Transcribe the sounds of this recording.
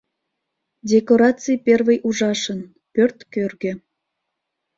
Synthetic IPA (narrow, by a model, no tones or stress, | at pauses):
dʲekoɾɑt͡sɨjpʲervejʔuʒɑʃən | pørt̪kørɣĕ